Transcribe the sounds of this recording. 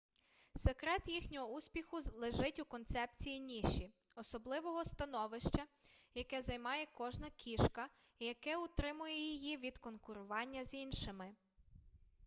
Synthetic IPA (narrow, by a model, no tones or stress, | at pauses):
sekɾɛt̪jixnʲɔɦɔusʲpʲixʊlˠeʒɪtʲukɔnt̪sɛpt͡sʲijinʲiʃi | ɔsɔblˠɪʋɔɦɔst̪ɐnɔʋɪʃt͡ʃɐjɐkɛzɐjmɑjɛkɔʒnɐkʲʰiʃkɐ | ijɐkɛʊt̪ɾɪmʊjɛjijiʋʲid̪kɔnkʊɾʊʋɑnʲːɐzinʃɪmɪ